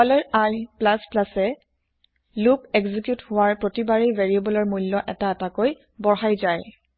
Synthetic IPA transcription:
kɔlɛɹaɹplasplasɛ | lupɛɡzikjuthʊwaɹpɹotibaɹiveɹiebɔlɔɹmulːɔʔɛtaɛtakoj | bɔɹɦajzaj

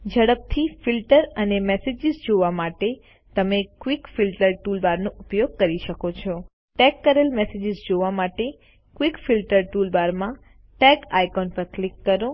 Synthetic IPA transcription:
d͡ʒəɽəp̚t̪ʰifilʈəɾənemɛsed͡ʒizd͡ʒoʋamaʈe | t̪əmekʋikfilʈəɾʈulbaɾnoupjoɡ̚kəɾiʃəkot͡ʃʰɔ | ʈɛkːəɾelmɛsed͡ʒɪzd͡ʒoʋamaʈe | kʋikfilʈəɾʈulbaɾmã | ʈɛkajkɔnpəɾklikːəɾo

